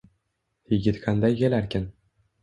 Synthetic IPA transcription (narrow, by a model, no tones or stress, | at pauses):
jɪɡʲɪt̪kʰand̪ajkʲelaɾkʲɪn